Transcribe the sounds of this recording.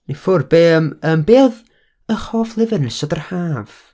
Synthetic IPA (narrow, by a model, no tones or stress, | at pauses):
nefʊrbeːəməmbeːð | əχɔːflˠɪvɪrnɪsɔdərhaːv̥